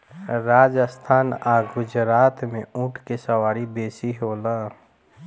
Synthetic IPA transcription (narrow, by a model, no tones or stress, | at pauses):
ɾaːd͡ʒəst̪ʰaːnaːɡʊd͡ʒɾaːt̪mẽũːʈʰkesəwaːɾibeːsiɦoːlaː